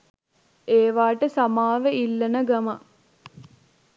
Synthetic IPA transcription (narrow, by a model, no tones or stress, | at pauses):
eːʋaːʈəsamaːʋeilːɐnəɡɐmɐ